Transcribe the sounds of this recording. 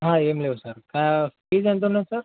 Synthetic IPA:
ɦãemleʋsəɾkafiːd͡zãnt̪̬onajsəɾ

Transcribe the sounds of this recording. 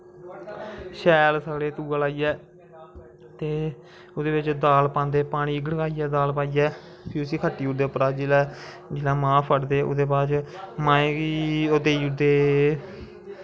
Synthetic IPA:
ʃɛːlsaːɽeːt̪uːaːlaːiːɛː | t̪eː | ʊd̪eːbɪt͡ʃd̪aːlpãːnd̪eːpaːɽ̃iːɪɡɽkaːiːɛːd̪aːlpaːiːɛː | pʰiːʊsiːkʰəʈːiːʊd̪eːpəɾaːd͡ʒɪlɛː | d͡ʒɪlãːmãːpʰəʈd̪eːʔʊ̰d̪eːbaːt͡ʃmãːẽːkioːd̪eːiːʊd̪eː

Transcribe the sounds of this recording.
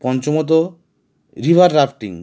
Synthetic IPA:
pɔnt͡ɕomot̪̬o | ɾibʱaɾːafʈiŋ

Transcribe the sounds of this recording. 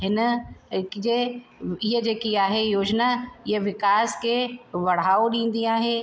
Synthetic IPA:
ɦɪnkd͡ʑeɪɦəd͡ʑeːkiaːɦejoːd͡ʒnaɪeʋɪkaːskeʋɐɽ̤aːoɗĩːn̆d̪iaːɦe

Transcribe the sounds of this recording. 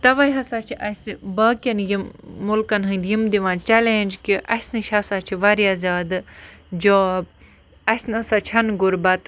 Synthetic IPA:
t̪ɐʋɐjɦɐsaːt͡ʃʰiʔɐsibɐːkʲɐnjimːulkɐnɦɐnd̪jimd̪iʋãːnt͡ʃɛleːnʲd͡ʒkiʔɐsnɨʃʰɦɐsaːt͡ʃʰiʋɐɾiazʲaːd̪ɨd͡ʒoːb̚ | ɐsnɐsat͡ʃʰɐnɡuɾbɐt̪

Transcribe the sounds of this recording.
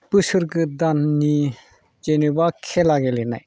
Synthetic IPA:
pɯsɯɾɡɯd̪anni | d͡ʒenibakʰelaɡelena̰j

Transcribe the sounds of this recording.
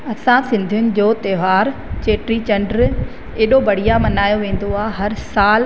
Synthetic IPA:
ɐsãsɪ̃nd̪ʱijʊnɪ̆d͡ʑoːt̪eːʋaːɾt͡ɕeːʈɾit͡ɕɐ̃ɳɖɾ | eːɗobɐɽ̤ijamɐnaːjoʋẽːn̆d̪oaːɦɐɾsaːl

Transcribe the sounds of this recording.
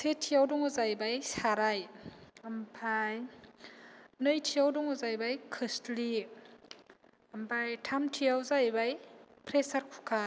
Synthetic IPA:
setʰːijawdɔŋɔzajbajsaɾajampʰaj | nɯjtʰijawdɔŋɔzajbajkʰɯstli | ɐmpʰajtʰamtʰiawzajbajpʰɾesaɾkʰu̥kʰa

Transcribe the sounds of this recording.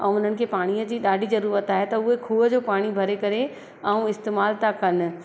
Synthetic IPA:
ɛ̃ʊn̤ənɪ̆kʰepaːɽ̃iəd͡ʑiːɗaːɖʱizɐɾuːɾət̪aːɦet̪ɐʊɦekʰuːəd͡ʑoːpaːɽ̃ibʱɐɾekɐɾe | ɛũɪst̪eːmaːlt̪akɐn̆

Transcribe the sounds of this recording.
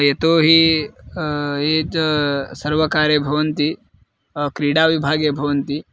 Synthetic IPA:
jet̪oɦi | ed͡ʒsɐɾʋɐkaːɾjɐbʱɐʋɐnt̪i | kɾiɽaːʋibʱaːɡjəbʱɐʋɐnt̪i

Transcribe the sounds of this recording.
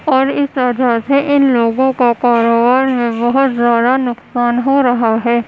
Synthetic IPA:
ɔːɾɪsəd̪ʱaseʔɪnloːɡõkakaːɾoːbaːɾmẽbɐɦʊt̪zjaːd̪anʊksaːnɦoɾɐɦaɦɛː

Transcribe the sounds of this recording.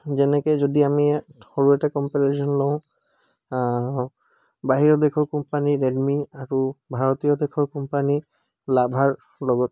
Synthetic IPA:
zɛnɛkɔzodiamixoɹuɛtakɔmpɛɹesɔnlɔɦʊ̃ | baɦiɹɔd̪ɛkʰɔɹkɔmpaniɹɛdmiaɹubʱaɹɔt̪ijɔd̪ɛkʰɔɹkɔmpani | labʱaɹ | lɔɡɔt̚

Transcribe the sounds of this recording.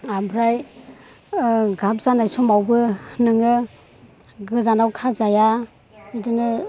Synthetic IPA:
abɾaj | ɡap̚zanajsɔmawbɯnɯŋɯ | ɡɯzanawkʰazaja | ɯdɯnɯ

